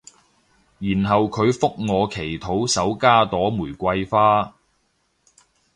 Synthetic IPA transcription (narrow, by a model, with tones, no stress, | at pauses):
jiː˨˩nɦɐ˨wkʰɵ˨˧ɥfʊ˥k̚ŋɔː˨˧kʰe˨˩jt̪ʰo˨˥wsɐ˨˥wkaː˥t̪ɔː˨˥muː˨˩jkʷɐ˧jfaː˥